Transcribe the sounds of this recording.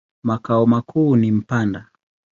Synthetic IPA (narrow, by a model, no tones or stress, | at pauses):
makaɔmakʰuːnim̩panda